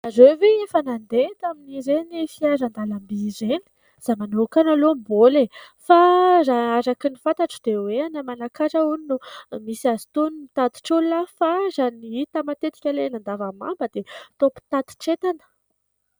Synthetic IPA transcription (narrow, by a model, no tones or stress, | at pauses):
azoveefanand̪et̪aminiɾenifiazand̪alambizeni̥ | z̥amanokanalombole | fazaaɾakinifant̪aʈ͡ʂəd̪eweanəmanakaɾəuninumisiazi̥t̪unumit̪at̪i̥ʈ͡ʂulːafazaniit̪əmat̪et̪i̥kʲalenand̪avama̰mbəd̪et̪opu̥t̪at̪i̥ʈ͡ʂet̪anə̥